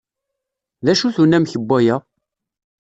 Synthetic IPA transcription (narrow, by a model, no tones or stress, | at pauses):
ðæʃuθunæmçəbːæjæ